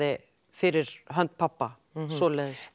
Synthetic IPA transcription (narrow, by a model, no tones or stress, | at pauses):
ɪ | fɪɾɪɾ̥ɦœnt̪̚pʰapːa | sɔːlɛːðɪs